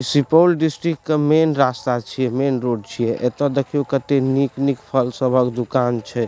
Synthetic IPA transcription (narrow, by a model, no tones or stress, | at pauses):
sipəlɖisʈɾikːemenɾast̪at͡ʃʰijɛmenɾoɖ̚t͡ʃʰijɛʔet̪ɔd̪ekʰijokət̪eniknikpʰəlsəbʱəkd̪ukant͡ʃʰɛ